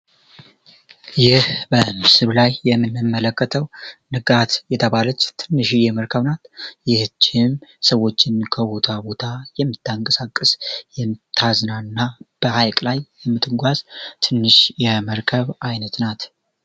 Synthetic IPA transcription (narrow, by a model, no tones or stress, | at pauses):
jɪhbəmɨsɨllajːɛmːɨnːɨmːələkːət̪ʰəwnɨɡat̪jɛt̪ʰəβalət͡ʃːt̪ʰɨnːɨʃijɛməɾkʰəβnat̪jɪht͡ʃːhɪmsəwːo̞t͡ʃːɪnkʰəβo̞t̪ʰabo̞t̪ʰajɛmːɨt̪ːaŋkʼəsakʼːɨsjɛmɨt̪ʰːaznaɨnːab̥əhajkʼlajːɛmːɨt̪ʼɨɡʷazt̪ʰɨnːɨʃjɛməɾkʰəβajnət̪nat̪